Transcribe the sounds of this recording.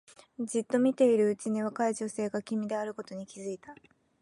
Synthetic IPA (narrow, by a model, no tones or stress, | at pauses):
d͡ʑit̪ːo̞mʲit̪e̞iɾɯ̟ɯ̟t͡ɕiɲ̟iβ̞akaiʑo̞se̞ːɡakʲimʲid̪e̞aɾɯ̟ko̞t̪o̞ɲ̟ikʲizɨit̪a